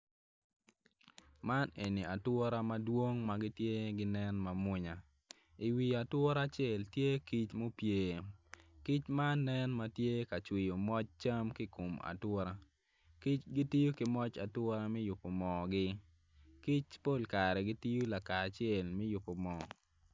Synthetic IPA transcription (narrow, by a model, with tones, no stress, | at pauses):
ma˦ne˨ni˨a˨twɔ˦ɾa˦ma˦dwo˦ŋma˨ɡɪ˦tje˦ɡɪ˦nɛ˦nma˨mʊ˦ɲa˨ | i˨wi˨a˨twɔ˦ɾa˦t͡ʃɛ˦˨ltje˦ki˦t͡ʃmo˦pjeː˨ | ki˦t͡ʃmaː˦ɛ˦nma˦tje˦ka˨t͡ʃwi˨jo˨mɔ˦t͡ʃt͡ʃa˦mki˦ko˨ma̰˨twɔ˦ɾa˦ | ki˦t͡ʃɡi˦ti˦jo˦kɪ˨˦mɔ˦t͡ʃa˨twɔ˦ɾa˦mɛ˦jʊ˨pːo˨mɔ˨ɡɪ˦ | ki˦t͡ʃpo˦˨lka˨ɾɛ˨ɡɪ˦ti˦jo˦la˨ka˨t͡ʃɪɛ˨lmɛ˦jʊ˨pːo˨mɔ˨